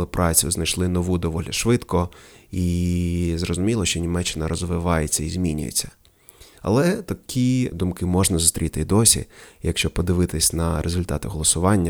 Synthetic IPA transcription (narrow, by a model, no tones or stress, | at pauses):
lˠɪpɾɑt͡sʲjʊznɐjʃlˠɪnɔʋud̪ɔʋɔlʲiʃʋɪt̪kɔi | zrɔzʊmʲilˠɔʃt͡ʃɔnʲimɛt͡ʃːɪnɐɾɔzʋɪʋɑjet͡sʲːɐizʲmʲinʲʊ̰jḛt͡sʲːɐ̥ | ɐ̰lˠɛt̪ɐkʲʰid̪ʊmkɪmɔʒnɐzʊst̪ɾʲit̪ɪd̪ɔsʲḭjɐkʃt͡ʃɔpɔd̪ɪʋɪt̪ɪsʲnɐɾʔezʊlʲt̪ɑt̪ɪɦɔlˠɔsʊʋɑnʲːɐ